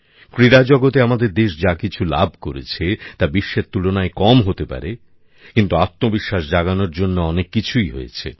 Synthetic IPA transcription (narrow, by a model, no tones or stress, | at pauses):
kɾiɾad͡ʑɔɡot̪eamad̪eɾd̪eʃd͡ʑakit͡ɕʰula̰bʱkoɾḛt͡ɕʰet̪abiʃːeɾt̪ulonaekɔmɦot̪epa̰ɾe | kint̪uat̪ːobiʃːaʃd͡ʑaɡanoɾd͡ʑonːoɔnekːit͡ɕʰujɦo̰jet͡ɕʰḛ